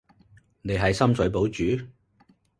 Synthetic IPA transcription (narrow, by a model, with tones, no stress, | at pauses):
ne˨˧jɦɐ˨jsɐ˥msɵ˨˥ɥpo˨˥wt͡ʃyː˨˥